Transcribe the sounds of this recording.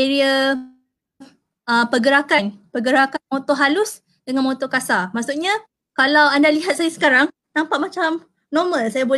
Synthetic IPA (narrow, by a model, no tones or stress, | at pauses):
eɾiə | ʔəpəɡəɾakanpəɡəɾakanmɔ̃t̪ɔɦalʊs | dəŋanmɔ̃t̪ɔkasamaʔsuʔ̚ɲa | kalawandaliɦat̪̚sajasə̥kaɾaŋ | nãmpaʔmat͡ʃam | nɔmə̃lsajabo